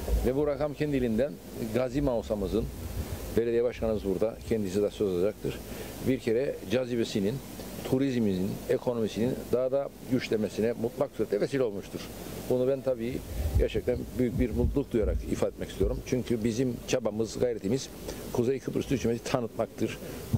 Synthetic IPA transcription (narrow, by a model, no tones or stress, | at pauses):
vɛbuɾakamcʰɛnd̪ilʲind̪æn | ɡazimawsamɯzɯnbelʲeijɛbaʃkʰanɯmɯzbuɾd̪acʰɛnd̪isid̪asøzolˠad͡ʒak̚t̪ʰɯɾ̥biɾcʰeɾɛd͡ʒazibesinin | t̪ʰuɾizmininekʰo̞no̞misinind̪aɦd̪a | ɟyt͡ʃlʲemesinɛmut̪lˠaksyɾɛt̪lʲɛkʰasilʲo̞lˠmuʃt̪ʰuɾ̥ | bunubænt̪ʰabiːɟæɾt͡ʃʰɛc̚t̪ʰænbyjyc̚biɾmut̪lˠuk̚d̪ujaɾakḭfaːd̪et̪mɛcist̪ʰijo̞ɾumt͡ʃʰyɲcʰybizimt͡ʃʰabamɯzɡajɾet̪ʰimiz̥ | kʰuzejkʰɯbʰɯɾsyt͡ʃʰymezit̪ʰanɯt̪mak̚t̪ʰɯɾ̥